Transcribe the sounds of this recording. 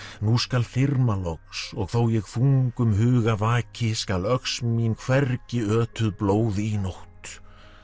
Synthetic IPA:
nuskalθɪɾmalɔksɔɣθowjɛɣθuŋkʏmɦʏːɣavaːcʰɪskalœksminkʰv̥ɛrcɪœːt̪ʏðploːwðɪinoht̪

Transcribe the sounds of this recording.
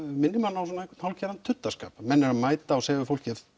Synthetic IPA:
mɪnːɪmanːawsɔnaɛkt̪nhawlcɛɾant̪ʰːʏt̪ːaska̰ːpmɛnːɛɾamaːjt̪aɔsɛːvɪfowl̥cɪɛ

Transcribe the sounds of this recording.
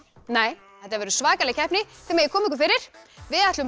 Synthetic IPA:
neːj | θɛht̪aɾvɛːɾʏsvaːkalɛɣcʰɛhpnɪθɛːmaɾjɛkʰɔːmiŋk̬ʏfɪɾɪɾ̥vɪðɛht̪lʏ

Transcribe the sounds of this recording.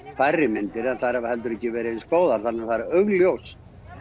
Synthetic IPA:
fajrːɪmɪnt̪ɪɾɛnθaðɾhavahɛlt̪ʏɾɛhcːɪvɛːɾɪskoːwðaɾ̥θanːɪaθaðɾœɣljows

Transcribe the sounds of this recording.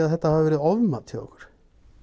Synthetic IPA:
aðθɛt̪ːahavɪvɛːɾɪðɔvmaðt̪ʰɪlɔ̰hkʏ̥ɾ̥

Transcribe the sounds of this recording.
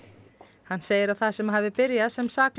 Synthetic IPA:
hanːseːjɪɾawθaðsɛmɦaːvɪpɪɾjaðsɛmsaːkl

